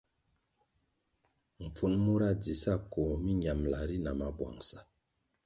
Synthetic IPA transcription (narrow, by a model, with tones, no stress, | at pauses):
m̩˨p͡fu˨˦nmu˦ɾa˦˨d͡zi˨sa˦˨ko˨mi˦ɲa˨mla˨ɾi˦na˨ma˨bwa̰˨ŋsa˨